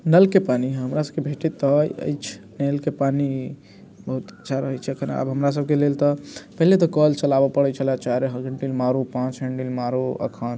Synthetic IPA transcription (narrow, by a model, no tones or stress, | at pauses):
nəlkepaniɦəmɾasəb̚kebʱeʈit̪ːəjə̰jt͡ʃʰ | nelkepani | bəɦut̪ət͡ʃʰaɾəɦɛt͡ʃʰɛəkʰəna̰bɦəmɾas̬əb̚kelelt̪ɔpəɦilet̪ɔkəlt͡ʃəlabəpəɽɛt͡ʃʰəlat͡ʃaɾeɦəɡəɳɖilmaɾupãt͡ʃɦəɳɖilmaɾoə̰kʰən